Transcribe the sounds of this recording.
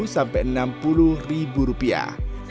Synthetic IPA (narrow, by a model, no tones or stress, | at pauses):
sampɛʔənampuluribuɾupia̰